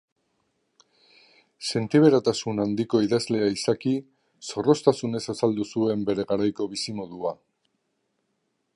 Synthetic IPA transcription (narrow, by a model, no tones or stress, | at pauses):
se̞nt̪iβ̞e̞ɾat̪asunand̪iko̞iðazle̞aisaki | so̞ro̞st̪asune̞sasald̪usue̞mbe̞ɾe̞ɣaɾajko̞βisimoðua